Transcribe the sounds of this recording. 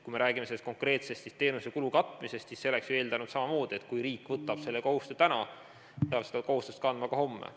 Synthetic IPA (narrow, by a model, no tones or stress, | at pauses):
kujme̞ɾʔæːɡ̥imeseːest̪ko̞ŋkre̞ːt̪se̞st̪sist̪e̞ːnusekulukɑt̪ːˑmise̞st̪sisːe̞lːeksjoe̞ːld̪ɑnud̪sɑmɑmo̞ːd̪̥iet̪kujɾiːkːˑvɤt̪ːˑɑb̥se̞lːeko̞hust̪et̪ænɑ | t̪eɑlsed̪ɑko̞hust̪est̪̚kɑnd̪mɑkɑho̞mːḛ